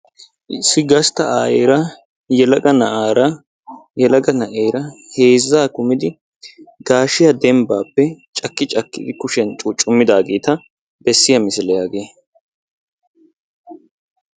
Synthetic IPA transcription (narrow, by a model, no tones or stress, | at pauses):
ʔɪsːɪɡɐst̪ɐʔaːjeːɾɐ | jɛlɐɡɐnɐʔaːɾɐ | jɛlɐɡɐnɐʔeːjɾɐhe̞ːzːaːkʊmɪd̪ɪ | ɡaːʃɪjɐd̪ɛmbaːpːɛt͡ʃʼɐkːɪt͡ʃʼɐkːɪ̰d̪ɪkʊʃɛnt͡ʃʼʊt͡ʃʼʊmːɪd̪aːɡeːt̪ɐ | bɛsːɪjɐmɪsɪlɛjaːɡeː